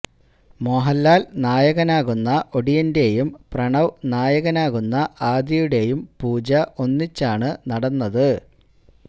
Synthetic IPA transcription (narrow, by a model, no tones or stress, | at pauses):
moɦɐlːaːlnaːjɐɣɐnaːɣunːɐʔo̞ɽijɐnde̞jumprɐɳɐʋnaːjɐɣɐnaːɣunːɐʔaːd̪jɐjuɽe̞jumpuːd͡ʑɐʔo̞nːit͡ɕːaːɳɨnɐɽɐnːɐðɨ